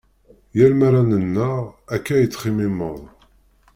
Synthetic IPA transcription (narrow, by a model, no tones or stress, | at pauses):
jælmæɾænənːæækːæjət͡sːχimɪməðˤ